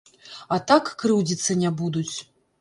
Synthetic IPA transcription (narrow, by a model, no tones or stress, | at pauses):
at̪akːɾɨwd͡zʲit̪sːɐnʲabud̪ut͡sʲ